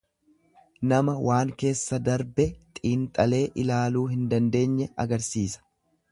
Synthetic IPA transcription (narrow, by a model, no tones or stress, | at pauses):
nɐmɐwʔaːŋke̞ːsːɐd̪ɐɾbɛt̪ʼiːnt̪ʼɐle̞ːʔɪlaːluːɦɪnd̪ɐnd̪e̞ːɲːɛɐ̰ɡɐɾsiːsɐ̥